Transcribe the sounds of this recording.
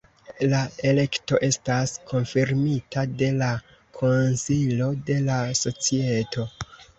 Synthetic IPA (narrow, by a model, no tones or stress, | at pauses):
lae̞le̞kto̞ʔe̞staskʰo̞nfiɾmitade̞la | kʰo̞nsilo̞de̞laso̞t͡sie̞to̞